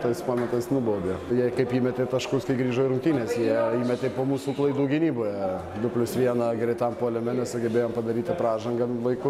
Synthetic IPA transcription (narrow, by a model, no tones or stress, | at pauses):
t̪ɐɪspoːmʲɛt̪ɐsnʊboːd̪ʲejɛkɐɪpiːmʲɛt̪ʲeːt̪ɐʃkʊskɐɪɡɾʲiːʒoːɪɾʊŋk̚t̪ʲiːnʲeːsjiɛiːmʲɛt̪ʲepoːmuːsuːklˠɐɪd̪uːɡʲɪnʲiːboːjɛ | d̪ʊpʲlʲʊsʋʲiɛnɐɡɾʲɛɪt̪ɐmpoːlʲɛmʲɛnʲɛsɐɡʲɛbʲeːjoːmpɐd̪ɐɾʲiːt̪ʲɪpɾɑːʒɐŋɡɐʋɐɪkʊ